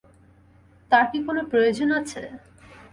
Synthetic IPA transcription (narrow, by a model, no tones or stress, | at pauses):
t̪aɾʈikonopɾojod͡ʑonat͡ɕʰe